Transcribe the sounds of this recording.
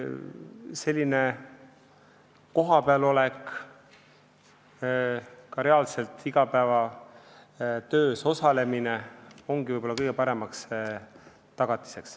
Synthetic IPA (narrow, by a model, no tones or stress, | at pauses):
se̞lʲːine̞ | ko̞ɦɑpeɑlo̞lek | kɑɾe̞ɑlse̞lt̪ʰiɡ̥ɑpæevɑ | t̪ø̞ːso̞sɑle̞mineo̞ŋɡ̥ivɤjbolːɑkɤjɡ̥e̞pɑɾe̞mɑks | t̪ɑɡ̥ɑt̪ːˑi̥seks